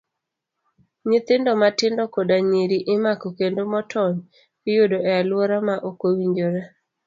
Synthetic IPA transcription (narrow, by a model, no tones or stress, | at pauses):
ɲɪt̪ɪndɔmatɪndɔkodaɲiɾiʔɪmakɔkendomɔtʰɔɲ | kɪjodoʔɛalwoɾamaʔokowiɲd͡ʒoɾa